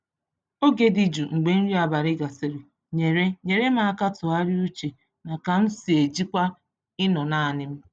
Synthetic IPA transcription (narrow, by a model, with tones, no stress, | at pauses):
o˦ɡe˨di˨d͡ʒu˨ŋ͡m̩˨ɡ͡be˨n̩˦ɾi˦a˨ba˨ɾɪ˦ɡa˨sɪ˨ɾi˨ | ɲe˨ɾe˦ɲe˨ɾe˦ma˨a˦˨ka˦tʊ˨a˦ɾi˦u˦t͡ʃe˨ | na˨ka˨n̩˦si˨e˨d͡ʒi˦kʷa˦ | ɪ˦nɔ˨na˦a˨nɪ˦m̩˦